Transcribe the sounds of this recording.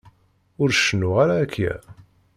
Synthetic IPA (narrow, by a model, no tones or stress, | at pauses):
ʊɾʃənʊʁaɾaækːæ̰